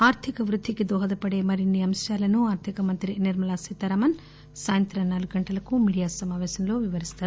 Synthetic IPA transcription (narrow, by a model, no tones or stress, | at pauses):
aːɾt̪ʰikɐʋɾud̪ʱːikid̪ɔːɦɐd̪ɐpɐɽe̞ːmɐɾinːiɐmʃjaːlɐnuaːɾt̪ʰikɐmɐnt̪ɾiniɾmɐlaːsit̪ːɐɾɐːmɐn | saːjɐnt̪ɾɐnaːluɡuɡɐɳʈɐlɐkumiːɽijaːsɐmaːʋɛːʃɐmlo̞ːʋiʋɐɾist̪aːɾu